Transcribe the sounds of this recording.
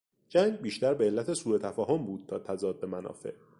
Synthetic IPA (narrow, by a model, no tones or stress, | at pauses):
d͡ʒæŋɡbiːʃt̪æɾbeelːæt̪ʰe̞suːɾe̞t̪ʰæfɒːɦombuːd̪̥̚t̪ʰɒːt̪ʰæzɒːd̪̚be̞mænɒ̰ːfe̞̰ʔ